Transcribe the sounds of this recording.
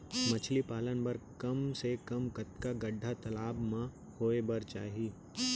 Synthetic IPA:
mɐt͡ʃʰlipaːlənbɐɾkɐmsekɐmkɐt̪kaɡɐɖʱːat̪ɐlaːbmã | hoːebɐɾt͡ʃaːɦiː

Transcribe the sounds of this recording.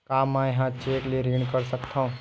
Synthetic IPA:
kaːmãjɦãt͡ʃeːkleɾiːɳkəɾsəkt̪ʰaũ

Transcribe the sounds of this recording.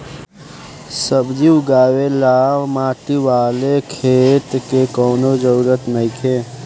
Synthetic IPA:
səbd͡ʒiʊɡaːwelaːʋmaːʈiʋaːlekʰeːt̪kekɔːnod͡ʒəɾuɾət̪nəikʰeː

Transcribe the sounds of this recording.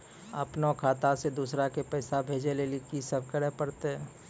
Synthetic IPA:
ɐpnakʰaːt̪ased̪uːsɾakepɛːsabʱeːd͡ʒelelikisəb̚kəɽɛɦpəɽt̪eɦɛ̃ː

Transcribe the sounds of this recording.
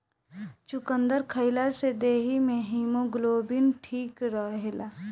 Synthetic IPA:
t͡ʃʊkə̃nd̪əɾkʰəɪlased̪eːɦimẽɦiːmoɡloːbɪnʈʰiːkɾəɦɦela

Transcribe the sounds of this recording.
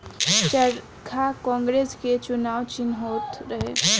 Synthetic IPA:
t͡ʃəɾ | kʰakɔ̃ːŋɡɾeːsket͡ʃʊnaːʋt͡ʃɪnɦoːt̪ɾəɦeː

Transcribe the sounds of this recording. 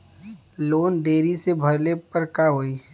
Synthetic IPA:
loːnd̪eːɾisebʱɐɾlepəɾkaɦoːi

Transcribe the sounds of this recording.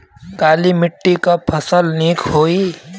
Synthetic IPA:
kaːlimɪʈːikapʰəsəlniːkɦoːi

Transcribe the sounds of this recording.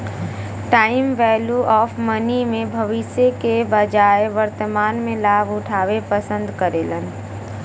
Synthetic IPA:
ʈaːɪmʋɛːljuʔɔːfmənimẽbʱɐʋɪʃəkebɐd͡ʒaːeʋəɾt̪əmaːnmẽlaːbʱʊʈʰaːwepəsə̃nd̪kəɾeːlən

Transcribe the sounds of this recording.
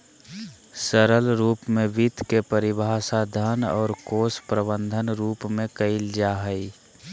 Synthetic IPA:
səɾəlɾuːpmẽʋit̪kepəɾɪbʱaːsad̪ʱənɔ̰ːɾkoːspɾəbə̃nd̪ʱənɾuːpmẽkəɪld͡ʒaɦəi

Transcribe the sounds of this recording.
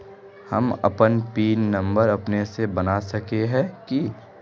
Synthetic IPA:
hɐ̰mɐ̰pənpiːnːɐ̃mbəɾɐpnesebɐnasɐkeɦɛ̃ki

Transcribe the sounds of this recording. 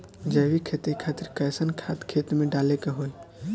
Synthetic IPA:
d͡ʒəjʋikʰet̪ekʰat̪iɾkəjsənkʰat̪kʰet̪mẽɖalekeɦoj

